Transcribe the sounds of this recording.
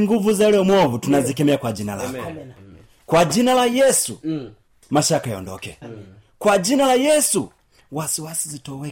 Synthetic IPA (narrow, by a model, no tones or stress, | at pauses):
ŋɡuvuzalɔmwɔβutunazikɛmɛakwad͡ʒinala̰kɔ | kwad͡ʒinalajɛsu | maʃakajɔ̰ndɔ̰kɛ | kwad͡ʒinalajɛsu | wasiwasizitɔwɛ